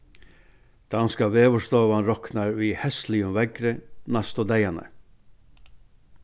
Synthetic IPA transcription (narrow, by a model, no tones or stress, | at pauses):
d̪̥ɑnskɑʋeːʋəst̪oːʋɑnɾɔknɑɾʋiːhɛst̪lɪʉmʋɛɡɾənɑst̪od̪æɪɑnə̰